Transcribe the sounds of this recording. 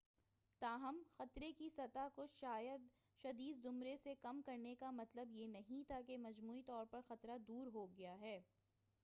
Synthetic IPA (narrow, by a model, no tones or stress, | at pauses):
t̪aːɦɐmxɐt̪ɾekisɐt̪akʊʃaːjəd̪ | ʃɐd̪iːd̪zʊmɾesekɐmkɐɾnekamɐt̪ləbjenɐɦĩt̪aːkemɐd͡ʒmuːit̪ɔːɾpɐɾxɐt̪ɾad̪uːɾɦoɡɐjaɦɛː